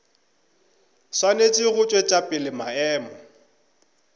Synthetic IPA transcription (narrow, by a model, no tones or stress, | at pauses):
swanet͡ʃʼiɣʊt͡ʃʼwet͡ʃʼapʼɪlɪmaɛːmɔ